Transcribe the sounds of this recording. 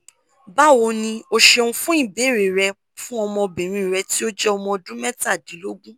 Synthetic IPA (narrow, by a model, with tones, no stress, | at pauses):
ba˦˨wo˧nĩ˧o˧ʃe˧ũ˧fũ˦ĩ˦˨be˨˦˨ɾe˨ɾɛ˧ | fũ˦ɔ˧mɔ̃˧bẽ˨ɾ̃ĩ˧˨ɾɛ˧ti˦o˦d͡ʒɛ˦ɔ˧mɔ̃˧dũ˦mɛ˦ta˦˨dĩ˨˦lo˦ɡũ˦